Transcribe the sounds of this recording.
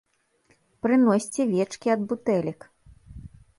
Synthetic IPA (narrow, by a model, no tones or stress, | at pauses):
pɾɨnɔsʲt͡sʲɛvʲɛt͡ʂkʲiɐd̪̚but̪ɛlʲik